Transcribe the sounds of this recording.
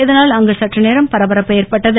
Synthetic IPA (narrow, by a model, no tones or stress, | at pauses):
ɪðɐnaːlɐŋɡɐsɐʈrɐneːɾɐmpɐɾɐbɐɾɐpːɛjɐrpɐʈːɐðɯ